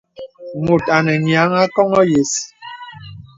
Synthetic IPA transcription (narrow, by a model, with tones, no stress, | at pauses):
mu˨ta˨nɛ˨ɲja˨˦ŋa˦kɔ˦ŋɔ˦je˨si̥˨